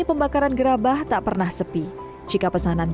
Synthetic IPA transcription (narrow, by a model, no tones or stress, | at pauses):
ipəmbakaɾanɡəɾabaht̪aʔpərnahsəpi | d͡ʒikapəsanan